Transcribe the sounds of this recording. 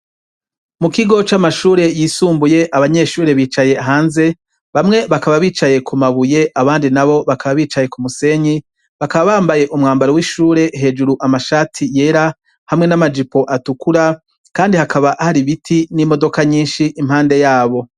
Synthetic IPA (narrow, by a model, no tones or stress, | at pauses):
mukiɡo̞t͡ʃamaʃuːɾe̞jiːsuːmbuje̞ʔaβaɲe̞ʃuːɾe̞βiːt͡ʃaje̞aɦaːnze̞ | βamŋe̞βakaβaβiːt͡ʃaje̞kʰumaβuje̞ʔaβaːndinaβo̞βakaβaβiːt͡ʃaje̞kumuse̞ɲi | βakaβaβaːmbaje̞ʔumŋaːmbaɾowiʃuːɾe̞ɦe̞ːd͡ʒuɾuʔamaʃaːtʰije̞ːɾa | hamŋe̞namad͡ʒipo̞ʔatukuɾa | kaːndihakaβaʔhaɾiβitʰinimo̞do̞kaɲiːnʃiʔimhaːnde̞jaːβo̞